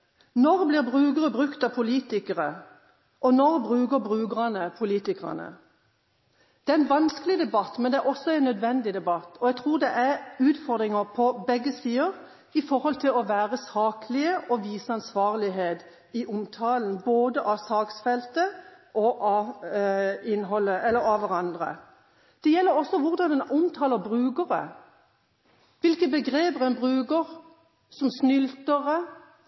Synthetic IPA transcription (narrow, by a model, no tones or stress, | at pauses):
nɔʁblɪːʁbʁʉːɡəʁəbʁʉkt̪ɑpʰʊliːt̪ɪkəʁə | ʔɔnɔʁbʁʉːɡəɾbʁʉːɡəʁɑnəpʰʊliːt̪ɪkʁɑ̰nə̰ | d̪̥ɛːæɛnʋɑnskəlɪd̪ɛbɑt̪mɛnd̪ɛʔɔsːɔɛɪnːœd̪ʋɛnd̪ɪd̪ɛbɑt̪ːɔjɛɡ̚t̪ʰʁuːʁd̪ɛʔæʁʉːt̪fɔɾd̪ʁɪŋəʁpʰɔbɛɡːəst̪iːəɾ | ɪfɔɾhɔlt̪ʰɪlɔʋæːʁəsɑːkʰlɪəʔɔʋiːsəɑnsʋɑːʁlɪɦeːd̪ | ɪʔʊmt̪ʰɑːln̩boːd̪əʔɑsɑːksfɛlt̪əʔɔʔɑ | ɪnɦɔlːəʔɛlːəɾɑʋæʁɑnd̪ʁə̰ | d̪̥ɛjɛlːəɾɔsːɔʋʊʁd̪ɑnd̪ɛnʊmt̪ʰɑːləbʁʉːɡəʁə̰ | ʋɪlkəbəɡʁeːbəʁɛnbʁʉːkəʁ | sɔmsnʏlt̪əʁə